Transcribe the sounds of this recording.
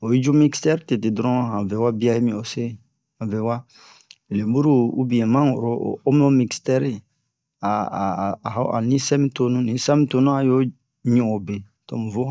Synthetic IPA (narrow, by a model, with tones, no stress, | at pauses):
o˨i˦d͡ʒu˦mi˦kstɛ˦ɾte˨te˨dɾɔ̃˦hã˨vɛ˨wa˦bi˦a˦i˦mĩ˨o˨se˦ | ã˨vɛ˨wa˦ | e˨le˨˦bu˦ɾu˦ṵ˦bi˨ɛ̃˨mã˦u˨ɾo̰˨o˦m˦nõ˦mi˨kstɛ˦ɾi˦ | a˨ɦo˦a̰˨nĩ˦sɛ˦mĩ˦to˦nũ˦nĩ˨˦sa˦mĩ˦to˦nũ˦a˨jo˦ | ɲũ˨o˨be˨ | to̰˨mu˨vo˦